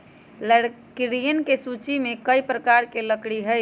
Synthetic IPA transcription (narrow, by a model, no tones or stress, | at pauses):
ləɽkɾijənkesut͡ʃimekəjpɾəkaɾkeləkɽiɦəj